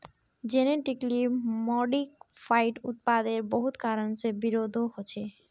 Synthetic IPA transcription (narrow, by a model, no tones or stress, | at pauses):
d͡ʒeneʈiklimɔɖikfʰajʈut̪̚pad̪eɾbɔɦut̪kaɾənsebiɾod̪ʱoɦot͡ɕʰe